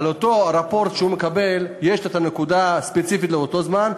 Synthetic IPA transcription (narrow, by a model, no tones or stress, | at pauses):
alot̪o̞ɾapo̞ɾt̪ʃeumekabe̞ljeʃet̪ane̞kud̪aspet͡sifit̪leot̪o̞zman